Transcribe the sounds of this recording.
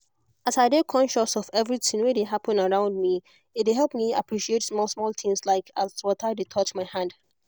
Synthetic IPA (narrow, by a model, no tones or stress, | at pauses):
asaɪdekʰɔ̃nʃəsɔvɛvɹitɪ̃ŋwedeɦapə̃nəɹãʊ̃nd̚mi | ɪt̚eɦɛlˠpmia̰pʰɹiʃietsmɔsmɔlˠθʰɪ̃ŋslaɪkaswɔtʰaɪdetʰɔt͡ʃmaɪhãnd̥